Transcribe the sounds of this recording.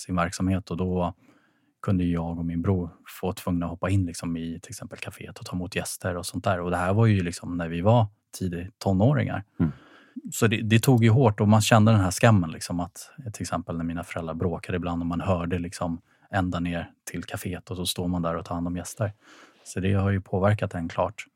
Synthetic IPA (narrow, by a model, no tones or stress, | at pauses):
sɪnvæɾksamheːt̪ɔd̪ɔ | kʰɵnd̪əjjɑːɡɔmɪnbɾuːɾfoːt̪ʰvɵŋnaɔhɔpːaɪnːlɪksɔmɪt̪ʰɪlɛksɛmpəlkʰafḛːt̪ɔt̪ʰɑːɪmuːt̪jɛst̪əɾɔsɔnt̪̚d̪æːɾɔd̪ɛhæɾvajʏɵlɪksɔmnæɾvɪva | t̪ʰiːd̪ɪt̪ʰɔnːoːɾɪ̰ŋa̰ɾ | sɔd̪ɛd̪ɛt̪ʰuːɡjɵɦoːʈːɔmanɕɛnd̪əd̪ɛnɦæʂkamːənlɪksɔmat̪t̪ʰɪlɛksɛmpəlnæɾmiːnafœɾɛlɾaɾbɾoːkad̪əɪbland̪ɔmanɦœːɖəlɪksɔm | ɛnd̪aneːɾʈʰɪlkʰafeːt̪ɔsɔst̪oːd̪mand̪æɾɔt̪ʰɑːhand̪ɔmjɛst̪əɾ | sɔd̪ɛhaɾjɵpʰoːvæɾkat̪̚d̪ɛnkʰlɑ̰ːʈ